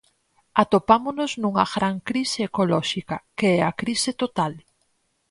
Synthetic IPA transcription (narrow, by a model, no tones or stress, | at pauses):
at̪opamonoznuŋɐɣɾaŋkɾiseekolɔʃikɐkeɛakɾisɪt̪ot̪al